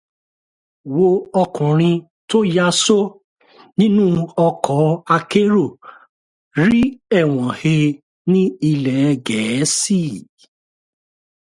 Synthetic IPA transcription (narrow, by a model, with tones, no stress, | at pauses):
wo˧ɔ˧kũ˨ɾ̃ĩ˧ | to˦ja˦so˦ | nĩ˦nũ˦ɔ˧kʰɔ˨˦a˧ke˦ɾo˦˨ | ɾi˦ɛ˦˨w̃ɔ̃˨he˧ | nĩ˦i˧lɛ˨˧ɡɛ˨˦si˦˨